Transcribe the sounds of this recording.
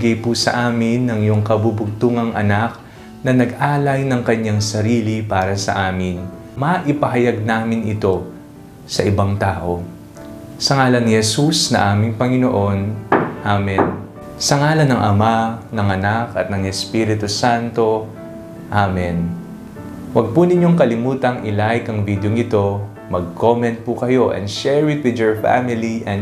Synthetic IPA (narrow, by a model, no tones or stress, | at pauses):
ɡɐjpusɐ̰ʔaːmɪnːɐŋjʊŋkɐbubʊɡ̚t̪uːŋɐŋʔɐ̰nak̚ | nɐnɐɡ̚ʔaːlɐjnɐŋkɐɲaŋsɐɾiːlipaːɾɐsɐ̰ʔaːmɪn | mɐʔɪpɐɦɐjɐɡ̚naːmɪnɪt̪o̞ | sɐʔɪbaŋt̪aːʔo̞ | sɐŋaːlɐnːɪhɛsusnɐ̰ʔaːmɪŋpɐŋɪno̞ʔo̞nʔaːmɛn | sɐŋaːlɐnɐŋʔɐmanɐŋɐnakɐt̪̚nɐŋɛspiɾɪt̪usant̪o̞ | ʔamɛn | wɐɡ̚punɪɲːo̞ŋkɐlɪmuːt̪ɐŋʔɪlaɪkɐŋvid̪joŋɪt̪o̞ | mɐɡ̚kʰomɛnt̪̚pukɐjo̞ʔɛ̰̃nd̪ʃɛɹɪt̪̚wɪd̪joɹfa̰mɪliʔɛn